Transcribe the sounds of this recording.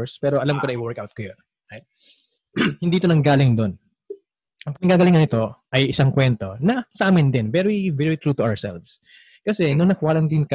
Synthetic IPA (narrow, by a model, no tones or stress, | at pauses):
ɹspɛːɾoʔɐlamkonɐɪwɛɹkawt̪̚kojon | at̪̚ | hɪ̃nd̪iːʔt̪onɐŋɡaːlɪŋd̪on | ʔɐŋpɐnɐɡaːɡɐlɪŋːɐnɪt̪o̞ʔɐjʔɪsaŋkwɛnt̪o̞nɐsɐʔaːmɪnd̪ɪnvɛɾivɛɹit̪ɹut̪ʊasɛ̰lvs | kɐsɛnʊŋnɐkwaːɾɐnd̪ɪnk